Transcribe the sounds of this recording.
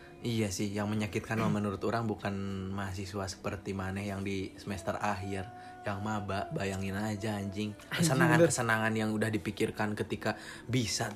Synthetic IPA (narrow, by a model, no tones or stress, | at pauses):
ijasɪhjaŋməɲakɪt̪̚kanamənuɾʊt̪oɾaŋbukanmas̬isuasə̥pərt̪imanɛhjaŋdisəmɛst̪əraɦɪr | jaŋmabaʔbajaŋɪnad͡ʒaːɲd͡ʒɪŋkəsənaŋankəsənaŋanjaŋudahdipikirkankət̪ika | bisa